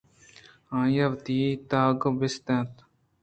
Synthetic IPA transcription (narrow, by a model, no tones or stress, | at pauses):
ãːjɐʋt̪iːt̪aːɡbɪst̪ẽt̪